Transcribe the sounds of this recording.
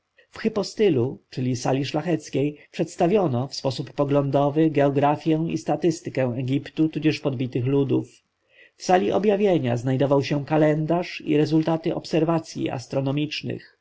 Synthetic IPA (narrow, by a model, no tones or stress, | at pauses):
fxɛpɔst̪ɘlut͡ʂɘlʲisa̰lʲiʂlaxɛt̪skʲejʂɛt̪st̪avʲjɔnɔfspɔsupːɔɡlɔnd̪ɔvɘɡɛɔɡɾafʲjɛw̃ḭst̪at̪ɘst̪ɘkɛ̃w̃ɛɡʲipt̪ut̪ud͡ʑɛʂpɔd̪bʲit̪ɘxlud̪ṵf | fsalʲiʔɔ̰bjavʲjeɲa̰znajd̪ɔvawɕɛkalɛnd̪aʂḭɾɛzult̪at̪ɘʔɔ̰psɛɾvat̪sʲjḭa̰st̪ɾɔnɔmʲit͡ʂnɘ̰x